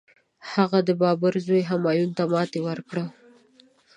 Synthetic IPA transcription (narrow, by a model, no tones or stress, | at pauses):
haɣad̪əbɑbəɾzojɦamɑjunt̪amɑt̪ewəɾkɽə